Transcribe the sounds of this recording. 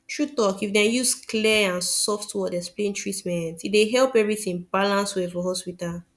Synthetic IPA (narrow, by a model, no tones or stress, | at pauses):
tɹutɔkifdɛ̃njuskʰlɛãnsɔftwɔdɛsplẽntʰɹitmɛ̃ntideɦɛlpɛvɹiθĩŋbalãnswefɔɦɔspita